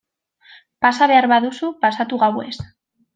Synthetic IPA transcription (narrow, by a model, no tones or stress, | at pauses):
pasaβeaɾβaðusupasat̪uɣawḛst̪